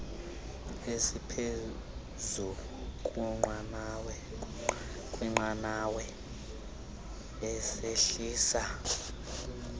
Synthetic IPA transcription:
esipʰe | zu | kʼuŋ͡ǃwanawɛ | kʼwiŋ͡ǃanawɛ | ɛseɬiːsa

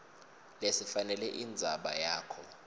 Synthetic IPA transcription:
lesifanɛlɛʔind͡zʱaɓajaːkʰɔ

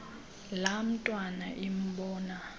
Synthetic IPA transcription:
lam̩tʼwanaʔim̩ɓɔːna

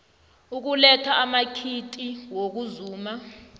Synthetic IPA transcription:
uk̬ulɛtʰaʔːmakʰitʼiwok̬uzuːma

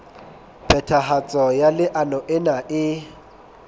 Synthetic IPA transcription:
pɛtʰaɦat͡sʼɔjalɪʔanɔʔɪnaʔɪ

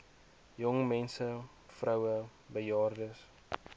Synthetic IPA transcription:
jɔŋmɛnsə | frɐwə | bəjɑːrdəs

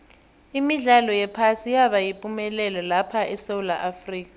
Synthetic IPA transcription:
imiɮalɔjɛpʰasijaβajipʼumɛlɛlɔlapʰaʔɛsewulaʔafriːk̬ʼa

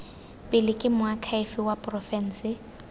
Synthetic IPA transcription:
pʼɪlɪkʼɪmʊakʰaɪfɪwapʼrɔfɛn̩sɪ

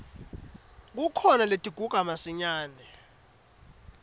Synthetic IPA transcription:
k̬ukʰɔnaletʼiɡ̥ʱuɡ̥ʼʱamasiɲaːnɛ

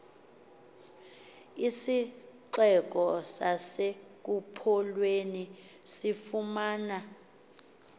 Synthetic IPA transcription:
isiǀɛk̬ɔsasek̬upʰɔlweni | sifumaːna

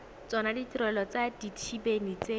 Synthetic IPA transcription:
t͡sɔnaditirɛlɔt͡saditʃibenit͡se

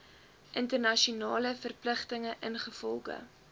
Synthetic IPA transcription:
ʔəntərnɐʃiunɑːləfərpləχtəŋəʔənχəfɔ̰lˠχə̰

